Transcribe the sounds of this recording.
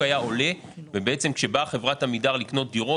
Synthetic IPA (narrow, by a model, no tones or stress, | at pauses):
ajao̞le̞ | vebeet͡se̞mkʃe̞baχe̞vʁathamidaʁlikno̞t̪̚d̪iʁo